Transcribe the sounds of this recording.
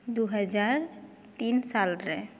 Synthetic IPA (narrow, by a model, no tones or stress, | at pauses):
d̪uɦɛd͡ʒaɾ | t̪insalɾɛ